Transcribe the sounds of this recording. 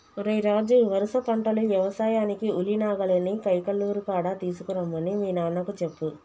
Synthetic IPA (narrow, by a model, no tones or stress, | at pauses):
ɾejɾaːd͡ʒuʋɐɾusɐpɐɳʈɐluʋjɛʋɐsaːjaːnikiulinaːɡɐlɐnikɐjkɐlːuːɾukaːɽaːt̪iːsukuɾɐmːɐnimiːnaːnːɐkut͡ʃepːu